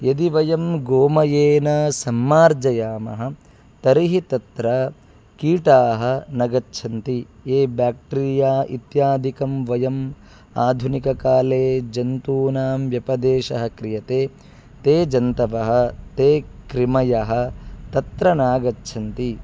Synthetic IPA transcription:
jɐd̪iʋɐjɐmɡoːmɐjeːnɐsɐmːaːɾd͡ʒɐjaːmɐ̰ɦɐ̆ | t̪ɐɾiɦit̪ɐt̪ɾɐ | kiːʈaːɦɐ̆nɐɡɐtːʃʰɐnt̪ieːbaːk̚ʈiɾijaːḭt̪jaːd̪ʱikɐmʋɐjɐm | aːd̪ʱunikɐkaːleːd͡ʒɐnt̪uːnaːmʋjɐpɐd̪eːʃɐɦɐ̆kɾijɐt̪eː | t̪eːd͡ʒɐnt̪ɐʋɐɦɐ̆t̪eːkɾimɐjɐɦɐ̆t̪ɐt̪ɾɐnaːɡɐtːʃʰɐnt̪i

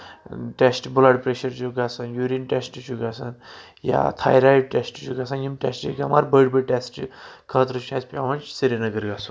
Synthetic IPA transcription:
ʈesʈbulaɽpɾeʃəɾt͡ʃuɡasanjuɾinʈesʈɨt͡ʃuɡasan | ja̰t̪ʰa̰jɾajʈʈesʈt͡ʃʰuɡasanjimʈḛsʈḭɡama̰ɾbəɽbəʈesʈkʰəːt̪ɾət͡ʃʰaspʲaʋɐnt͡ʃsiɾinəɡəɾɡasun

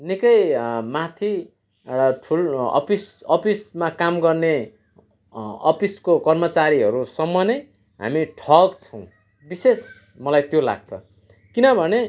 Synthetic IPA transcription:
nikʌjmat̪ʰi | rʌʈʰulʌ̰pisʌpismakamɡʌrne | ʌ̰piskokʌrmʌt͡saɾiɦʌɾusʌmːʌne | ɦa̰miʈʰʌɡt͡sʰʌ̃w̃ | bises | mʌlajt̪jola̰ɡ̚t͡sʰʌ̰ | kinʌbʱʌne

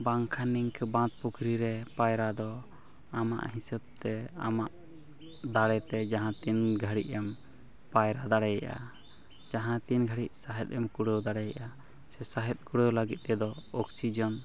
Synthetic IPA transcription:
baŋkʰaniŋkʰbãt̪̚pukʰɾiɾɛpajɾad̪ɔ | ama̰ʔhisəbt̪ɛa̰maʔ | d̪aɽɛt̪ɛd͡ʒaɦãt̪inɡʱəɽiʔɛm | pajɾad̪aɽɛja̰ʔa̰ | d͡ʒaɦãt̪inɡʱəɽiʔsaɦɛt̪̚ˀɛmkuɽəwd̪aɽɛjaʔa | sɛsaɦɛt̪̚ˀkuɽəwləɡit̪̚t̪ɛd̪ɔɔksid͡ʒɔn

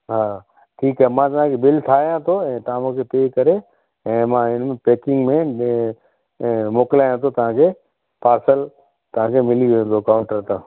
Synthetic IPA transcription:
ɦaː | ʈʰiːkɦɛmãːt̪ɐɦãkʰebɪlt̪ʰaːjãt̪ʰoɛ̃ːt̪aːmõkʰepeːkɐɾe | ɛ̃ːmãɪnmẽpeːkɪ̃ŋɡmẽ | moːklaːjãt̪ʰot̪ɐɦãkʰe | paːɾsəl | t̪ɐʋ̤ãːkʰemɪliʋẽnd̪okaːʊ̃ɳʈəɾt̪ã

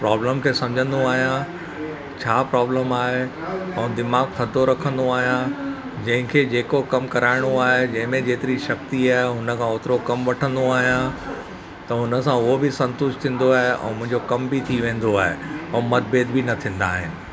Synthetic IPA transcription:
pɾaːbləmkʰeːsɐ̃md͡ʑʱə̃nd̪oaːɦijã | t͡ɕʰaːpɾaːbləmaːɦe | ɛ̃ːd̪ɪmaːɡt̪ʰɐd̪ʱoɾɐkʰə̃nd̪oaːɦijã | d͡ʑɐ̃ɦɪ̃kʰed͡ʑeːkokɐmkɐɾaːɪɽ̃oaːɦed͡ʑɐ̃ɦɪ̃mẽd͡ʑeːt̪ɪɾiʃɐk̚t̪iaːɦeɦʊnə̆kʰãʊt̪ɪɾokɐmʋɐʈʰə̃nd̪oaːɦijã | t̪ɐɦʊnə̆s̬ãʊɦobɪsɐ̃nt̪ʊʃt̪ʰĩːn̆d̪oaːɦeʔɛ̰̃ːmʊ̃ɦɪ̃ɲd͡ʑokɐmbit̪ʰiʋẽːn̆d̪oaːɦḛɛ̃ːmɐɾ̚beːd̪bɪnɐt̪ʰĩːn̆d̪aːɦɪnɪ̆

